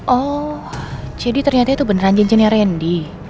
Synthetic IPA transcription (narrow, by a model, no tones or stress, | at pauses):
ʔɔhd͡ʒadit̪ərɲat̪ait̪ubənəraɲd͡ʒɛɲd͡ʒəniaɾɛndi